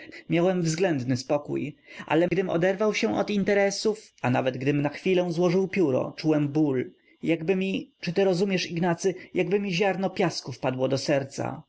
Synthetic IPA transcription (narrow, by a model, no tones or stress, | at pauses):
mʲjawɛmvzɡlɛnd̪nɘspɔkṵjʔa̰lɛɡd̪ɘmɔ̰d̪ɛɾvawɕɛʔɔ̰t̪int̪ɛɾɛsufanavɛd̪ɡd̪ɘmnaxfʲilɛ̃w̃zwɔʐɘwpʲjuɾɔ̰t͡ʂuwɛmbul | jaɡbɘmʲit͡ʂɘt̪ɘɾɔzumʲjɛʂiɡnat̪sɘjaɡbɘmʲiʑaɾnɔpʲjaskufpad̪wɔd̪ɔsɛɾt̪sa̰